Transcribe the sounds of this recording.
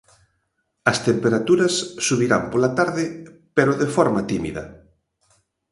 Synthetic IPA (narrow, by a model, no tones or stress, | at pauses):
ɐst̪empeɾat̪uɾɐsːuβiɾa̰mpolat̪aɾðɪpeɾoðefɔɾmat̪imḭðɐ̰